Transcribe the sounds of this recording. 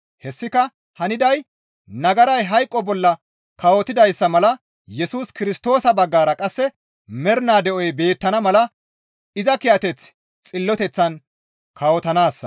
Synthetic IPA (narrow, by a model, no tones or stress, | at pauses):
hɛsːɪkɐ | hɐnɪd̪ɐj | nɐɡɐɾɐjɦɐjkʼːɔbɔlːɐ | kɐwɔt̪ɪd̪ɐjsːɐmɐlɐ | jɛsuːskɪɾɪst̪o̞ːsɐbɐɡːaːɾɐkʼɐsːɛ | mɛɾnaːd̪ɛʔɔjbe̞ːt̪ːɐnɐmɐlɐ | ɪzɐkɪjɐt̪ɛt͡s | t͡sʼɪlːɔt̪ɛt͡sːɐn | kʰɐwɔt̪ɐnaːsːɐ̥